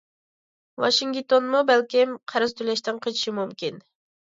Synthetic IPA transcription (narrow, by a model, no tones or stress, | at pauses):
wɑ̰ʃiŋɡʲt̪onmubɛlkʲimqʰæɾɨzt̪ʰylɛʃt̪ɪŋqʰət͡ʃʰi̥ʃimumkʲin